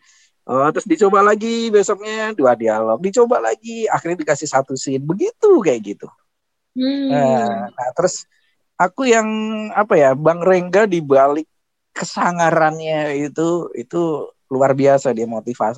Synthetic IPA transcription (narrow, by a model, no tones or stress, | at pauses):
ʔɔt̪ɾʊsdit͡ʃobalaɡibɛsɔmɲaduadialɔk̚dit͡ʃobalaɡiaxɪrɲadikasɪhsat̪usɪnbəɡit̪ukajaʔɡit̪u | ənaht̪əɾʊs | ʔakujaŋapajabaŋreŋɡadibalɪkː | əsaŋaɾanɲait̪uḭt̪u | luarbiasadiamot̪ifa̰